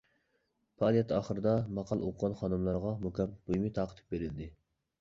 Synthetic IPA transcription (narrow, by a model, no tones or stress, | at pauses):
pɑɑːlˠijɛt̪ɑːχəɾɨd̪ɑmɑqʰɑlˠo̰qʰʊʁɑnχɑnɨmlˠɑɾʁɑmukʲɛpːb̥ujmɨt̪ʰɑːqə̥t̪ʰɨ̥p̚beɾɪld̪ɪ